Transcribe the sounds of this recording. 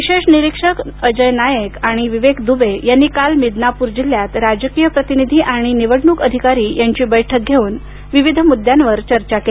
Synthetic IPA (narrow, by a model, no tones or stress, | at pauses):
ʋiɕeʂniɾikʂəkəd͡ʑəjnajəkaɽ̃iʋiʋekd̪ubejanːikalmid̪napuːɾd͡ʑiljat̪ɾad͡ʑəkijəpɾət̪inid̪ʱiʔaɽ̃iniʋəɽnukəd̪ʱikaɾiːjaɲt͡ɕiːbəjʈʰək̚ɡʱeuːn | ʋiʋid̪ʱəmud̪jãnʋəɾt͡ɕəɾt͡ɕakee